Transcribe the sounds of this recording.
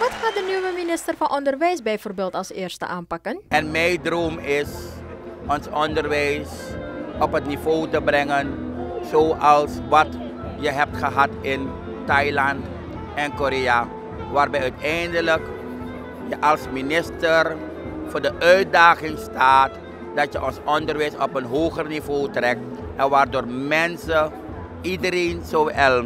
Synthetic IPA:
ʋɑtχaːdənyʋəminɪstərfɑnʔɔndərʋɛjsbɛjvoːrbeːlˠtɑlˠsḛːrstə̰ʔaːnpɑkənɛnmɛjdroːmɪs | ɔnsɔndərʋɛjsɔpɦətnivoːtəbrɛŋənzoːʔɑlˠsʋɑt | jəɦɛp̚tχəɦɑtɪn | tɑjlɑnt | ɛnkoɾeja | ʋaːrbɛjœɥtɛjndələk | jəʔɑlˠsminɪstər | fʊːɹdəʔœɥt̚daːχɪŋstaːt | dɑtjəʔɔnsɔndərʋɛjsɔpənɦoːχərnivoːtrɛk̚t | ʔɛnʋaːrdoːrmɛnsə | idəɾejnsoɛl

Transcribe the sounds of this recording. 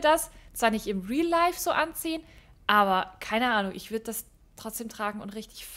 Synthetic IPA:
dast͡sv̥aːɐnɪçtɪmʁiːlaɪfz̥oːʔant͡siːən | ʔaːβɐkʰaɪnəʔaːnʊŋʔɪ̰çv̥ʏɐdəd̥as | tʁ̥ɔt͡sd̥eːmtʁ̥aːɡŋ̩ʊntʁɪçtɪ̥çf

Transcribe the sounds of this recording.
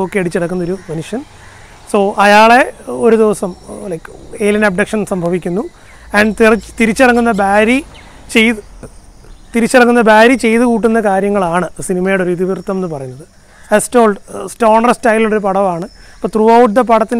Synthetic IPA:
okːeɐɽit͡ɕːiɽɐkːunːɐoɾumɐnuʂjɐn | so̞ːʔɐjaːɭe̞o̞ɾud̪iʋɐsɐmlɐjke̞ːljɐnɐb̚ɖɐkʂɐnsɐmbʱɐʋikʲːunːu | ɐɳɖt̪rt̪iɾit͡ɕːirɐŋːunːɐbaːɾi | t͡ɕejt̪ɨ | t̪iɾit͡ɕːirɐŋːunːɐbaːɾit͡ɕe̞jt̪ɨkuːʈ̬ːunːɐkaːɾjɐŋːɐɭaːɳɨsinimɐjoɽeoɾiðiʋirt̪ːɐmenːɨpɐrɐjunːɐðɨ | estoːlɖsto̞ːɳɐrstɐjloɽoɾupɐɽɐʋaːɳɨ | ɐpːoɭt̪ruɐwʈd̪ep̬ɐɽɐt̪ːin

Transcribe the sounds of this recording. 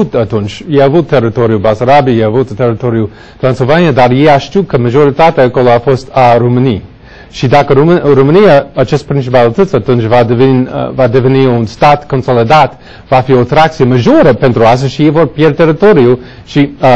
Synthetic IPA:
ut̪at̪unt͡ʃjeavut̪̚ʰːeɾit̪oɾiubasaɾabijeavut̪t̪eɾit̪oɾiu | t̪ɾanslvaniad̪aɾjeaʃtukəmaʒoɾit̪at̪ɛəkoloafost̪aɾuməni | ʃid̪akəɾɾuməniaət͡ʃɛst̪pɾint͡ʃipalˠit̪ət̪t͡sat̪unt͡ʃvad̪vin̰vad̪eveniunst̪at̪konsolid̪at̪ | vafiot̪ɾak̚t͡siəməʒoɾəpɛnt̪ɾuas̬əʃijevoɾpjɛɾt̪eɾit̪oɾiu | ʃi

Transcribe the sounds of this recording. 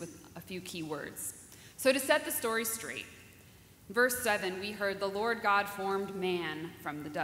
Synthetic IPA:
wɨðəfjʉkʰiwɜ̰˞dz̥ | soʊɾɨsɛt̪̚ðɨstɔɹistɹ̥ḛɪt̚ | vɜ˞sɛvɨ̃nwiɦɜ˞d̪̚ðəlɔɹd̚ɡɑd̥fɔɹmmæ̃nfɹʌ̃mðɨdʌ

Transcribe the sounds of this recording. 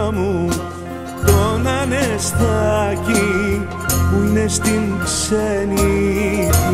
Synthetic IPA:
mu | t̪onanest̪aki | uinest̪inseni

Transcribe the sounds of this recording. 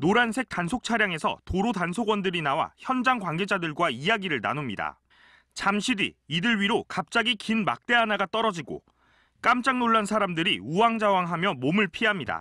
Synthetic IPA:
noɾansʰe̞k̚tansʰok̚t͡ɕʰaɾjaŋe̞sʰʌ̰toɾotansʰoɡwʌndɯɾinawa̰çjʌnd͡ʑaŋɡwanɡe̞d͡ʑadɯɭɡwaijaɡiɾɯɭna̰nomɲida̰ | t͡ɕamɕʰidḭːdɯɭɥiɾokap̚t͡ɕ͈aɡikinma̰k̚t͈e̞anaɡat͈ʌɾʌd͡ʑiɡo̰ | k͈amt͡ɕ͈aŋnoɭːansʰaɾamdɯɾiuwaŋd͡ʑawaŋɦamjʌmomɯɭpʰiɦamɲida̰

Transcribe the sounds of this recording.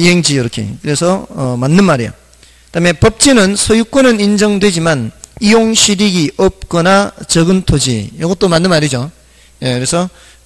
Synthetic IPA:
iɦe̞ŋd͡ʑiiɾʌkʰḛkɯɾe̞sʰʌʌmanːɯnmaɾḭjo̰ | taɦme̞pʌp̚t͡ɕ͈inɯnsʰʌjuk͈ʌnɯnind͡ʑʌŋdwe̞d͡ʑimanijoŋɕʰiɾiɡiʔʌp̚k͈ʌnat͡ɕʌɡɯntʰod͡ʑḭjʌɡʌt͈omanːɯnmaɾid͡ʑo | je̞kɯɾe̞sʰʌ

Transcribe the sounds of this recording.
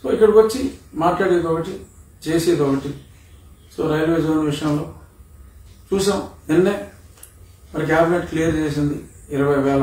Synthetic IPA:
so̰ːikːɐɽɐkʋɐt͡ʃːimaːʈlaːɽeːd̪ɔkɐʈi | t͡ʃeːseːd̪ɔkɐʈi | soːɾɐjlʋeːd͡ʒoːnʋiʂɐjɐmlo̞ː | t͡ʃuːsɐmenːeː | mɐɾɐɡaːbʱineɳʈklijɐɾd͡ʒeːs̬ind̪iːɾɐʋɐjʋɛːlɐ

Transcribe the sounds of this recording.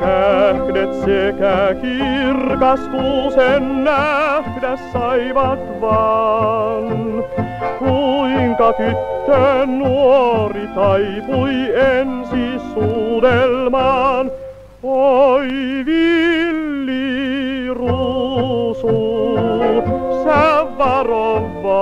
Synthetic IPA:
næhdet̪sekækirkɑskusenːæhdæssɑiʋɑt̪ʋɑ | n | kuiŋkɑt̪yt̪ːønnuoorit̪ɑipuiensisuːdelmɑːn | oiʋilːi | ru | su | sæʋːɑroʋːɑ

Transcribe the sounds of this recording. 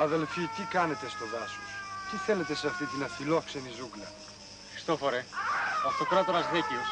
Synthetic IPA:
ɐðe̞lfit̪ikɐne̞t̪e̞st̪o̞vɐsust̪iθe̞le̞t̪e̞seɐft̪it̪inɐfilo̞kse̞nizuklɐ | xɾi̥st̪ofoɾeɐft̪okɾɐt̪oɾɐzðecius

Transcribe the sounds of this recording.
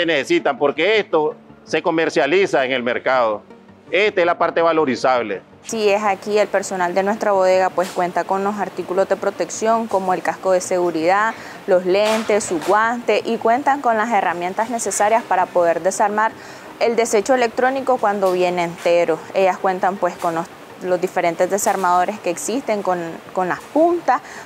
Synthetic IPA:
enesesit̪ampo̞ɾke̞est̪o̞se̞ko̞meɾsjalisaeŋe̞lme̞ɾkaðo | e̞st̪aezlapaɾt̪eβalo̞ɾisaβle | sie̞sakie̞lpe̞ɾso̞nald̪e̞nwe̞st̪ɾaβo̞ð̞e̞ɣapwe̞skwe̞nt̪ako̞nlo̞saɾt̪ikulo̞zd̪e̞pɾo̞t̪e̞ksjo̞ŋko̞mo̞e̞lkasko̞ð̞e̞se̞ɣuɾiða | lo̞sle̞nt̪e̞sːuɡwant̪e̞ʔikwe̞nt̪aŋko̞nlase̞ramje̞nt̪azne̞se̞saɾjaspaɾapo̞ð̞e̞ɾd̪e̞saɾmaɾ | e̞ld̪e̞se̞t͡ʃo̞ele̞k̚t̪ɾo̞niko̞kwand̪o̞βje̞neːnt̪e̞ɾo̞e̞ʝaskwe̞nt̪ampwe̞sko̞nlos | lo̞zd̪ife̞ɾe̞nt̪e̞zd̪e̞saɾmað̞o̞ɾe̞ske̞ːksist̪e̞ŋkonko̞nlaspunt̪as

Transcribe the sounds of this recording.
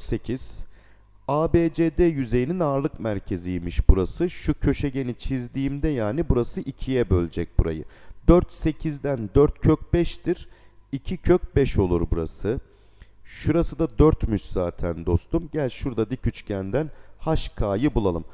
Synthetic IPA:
se̞cʰiz̥ | aːbeːd͡ʒeːd̪ejyze̞jininaɾlˠɯkmæɾcʰe̞zijimiʃbuɾasɯʃucʰø̞ʃɛɟe̞nit͡ʃʰizd̪iːmd̪ɛjaːnibuɾasɯʔicʰijɛbø̞lʲd͡ʒɛc̚buɾa̰jɯ̰d̪øɾt̪se̞cʰizd̪ænd̪øɾt̪cʰøc̚bɛʃt̪iɾicʰicʰøc̚bɛʃo̞lˠuɾbuɾa̰sɯ | ʃuɾasɯd̪ad̪øɾt̪myt͡ʃzaːt̪ʰænd̪o̞st̪umɟælʲʃuɾd̪ad̪icʰyt͡ʃcʰænd̪ænhaʃkʰaːjɯbulˠalˠɯm

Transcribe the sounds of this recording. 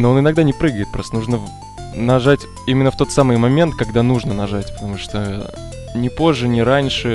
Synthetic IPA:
noonɪnɐɡ̚d̪anʲɪpɾɨɡəjɪt̪pɾost̪ənuʐnə | nɐʐatʲ | imʲɪnːəft̪o̞t̪samɨjmɐmʲe̞nt̪̚kɐɡd̪anuʐnənɐʐatʲpə̥t̪ɐmuʂt̪o | nʲɪpo̞ʐːɨnʲɪɾanʲʂɨ

